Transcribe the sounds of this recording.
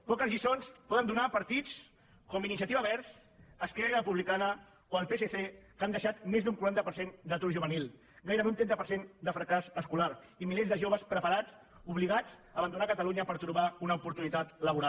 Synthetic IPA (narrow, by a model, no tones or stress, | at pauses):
pɔkəzʎisonspɔðənd̪unapəɾt̪it͡s | kombinisiət̪iβaβɛɾs | əskɛɾəpuβlikaðə | oəlˠpeseθekand̪əʃat̪mezd̪uŋkuɾant̪əpəɾsend̪ət̪uɾʒuβənilˠ | ɣajɾəβeunt̪ɛnt̪əpəɾsend̪əfɾəkasəskulaɾ | imilezðəʒoβəspɾəpəɾad͡z | uβliɣad͡zəːβənd̪unakət̪əluɲəpəɾt̪ɾuβaunəupuɾt̪unit̪at̪ləβuɾa